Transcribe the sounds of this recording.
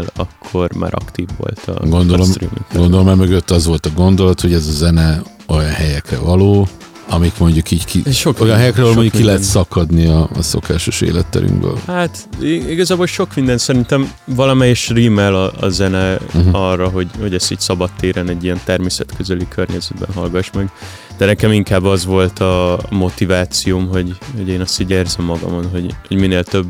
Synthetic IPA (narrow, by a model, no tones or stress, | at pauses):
lɒ̰kʰːo̞rma̰ːɾɒ̰kt̪iːvːo̰lt̪ʰɒ̰ɡond̪oloɾḭːmḭkɡɡond̪olomɛmøɡøt̪ːɒzʋo̞lt̪ɒɡo̞nd̪o̞lɒt̪ho̞ɟɛzɒzɛnɛ | o̞jɒnɦɛjɛkrɛvɒloː | ɒmikmo̞ɲɟukiːckiʃokojɒnɦɛjɛkrɛvɒlomoɲɟukkilɛɦɛt̪sɒkɒd̪niɒ̰ːso̞̰kaːʃo̞ʃḛːlɛt̪ːɛ̰ɾy̰ŋɡbø̰lhaːt̪ | iɡɒzaːbo̞lʃo̞kmind̪ɛnsɛɾint̪ɛmvɒlɒmɛjɛʃriːmɛlɒɒ̰zɛnɛɒrːɒɦo̞ɟho̞ɟɛst̪iːcsɒbɒt̪ːeːɾɛnɛɟːijɛnt̪ɛrmeːsɛt̪køzɛlikʰørɲɛzɛd̪bɛ̰nɦɒlɡɒʃmɛɡ | d̪̥ɛnɛkɛmiŋkaːbːɒzʋo̞lt̪ʰɒmo̞t̪ivaːt̪sijoːmɦo̞ɟho̞ɟeːnɒst̪iːɟeːrzɛmːɒɡɒ̰monɦo̞ɟho̞ɟmineːlt̪øbː